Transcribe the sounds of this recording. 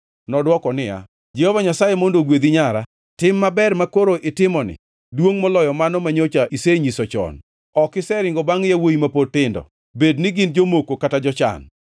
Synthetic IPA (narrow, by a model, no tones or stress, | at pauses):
nɔdwɔkɔnɪja̰ | d͡ʒɛhɔvaɲasajemondoɡwed̪iɲaɾa | tɪmːabɛrmakoɾoʔɪtɪmɔnɪ̰ | dwoŋmɔlɔjɔmanɔmaɲot͡ʃaʔiseɲisɔt͡ʃɔ̰n | ɔkɪsɛɾɪŋɡɔbaŋjawoimapotɪndɔ̰ | bednɪɡɪnd͡ʒomokokatad͡ʒɔt͡ʃa̰n